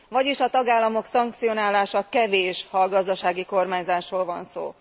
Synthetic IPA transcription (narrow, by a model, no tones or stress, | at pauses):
vɒɟiʃɒt̪ɒɡaːlːɒmo̞ksɒŋk̚t̪sio̞naːlaːʃɒkɛveːʃhɒlɡɒzd̪ɒʃaːɡiko̞rmaːɲzaːʃroːlvɒnso̰ː